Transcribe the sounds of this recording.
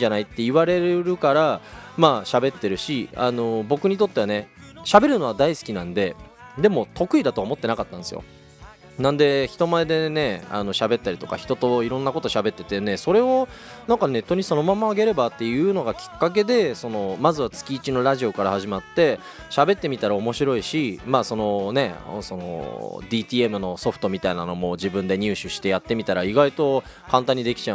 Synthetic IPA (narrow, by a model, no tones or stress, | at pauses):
iɲd͡ʑanait̪ːe̞iβaɾe̞ɾɾɯ̟kaɾamaːɕabe̞t̪ːe̞ɾɯ̟ɕia̰no̞bo̞kɯ̟ɲ̟it̪o̞t̪ːe̞βane̞ɕabe̞ɾɯ̟no̞ad̪aisɨ̥kʲinãnd̪e̞ | d̪e̞mo̞t̪o̞kɯ̟id̪at̪o̞aːmo̞t̪ːe̞nakat̪ːãñsɨjo̰ | nãnd̪e̞çi̥t̪o̞maed̪e̞ne̞a̰no̞ɕabe̞t̪ːaɾʲit̪o̞ka̰çi̥t̪o̞t̪o̞iɾõ̞nːako̞t̪o̞ɕabe̞t̪ːe̞t̪ene̞so̞ɾe̞o̞nãŋkane̞t̪ːo̞ɲ̟iso̞no̞mamaːɡe̞ɾe̞bat̪ːe̞jɯ̟ːno̞ɡakʲi̥kːak̬e̞d̪e̞so̞no̞mazɨβat͡sɨ̥kʲiːt͡ɕino̞ɾaʑio̞kaɾahaʑimat̪ːe̞ | ɕabe̞t̪ːe̞mʲit̪aɾao̞mo̞ɕiɾo̞iɕimaːso̞no̞ne̞so̞no̰d̪ʲiːt̪ʲiːe̞mɯ̟no̞so̞ɸɯ̟̥t̪o̞mʲit̪ainano̞mo̞d͡ʑibɯ̟̃nd̪e̞ɲ̟ʲɨːɕɨɕi̥t̪e̞jat̪ːe̞mʲit̪aɾaiɡait̪o̞ | kãnt̪ãɲ̟ːid̪e̞kʲi̥t͡ɕa